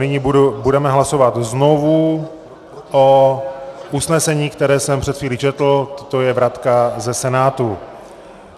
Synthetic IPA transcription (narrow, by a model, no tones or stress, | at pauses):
nɪɲibudubudɛmɛɦlaso̞vat̪zno̞vu | ʔo | ʔusnɛsɛɲiːkt̪ɛɾɛːsɛmpr̝̥ɛt̪xviːlit͡ʃɛt̪l̩t̪ot̪ojɛvɾat̪kazɛsɛnaːt̪u